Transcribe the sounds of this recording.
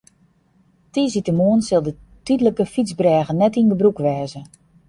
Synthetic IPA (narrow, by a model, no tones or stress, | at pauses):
tizitəmoːnsɪlˠdə | tydələkəfizbrɛːɣənːɛtindəbrukʋɛːzə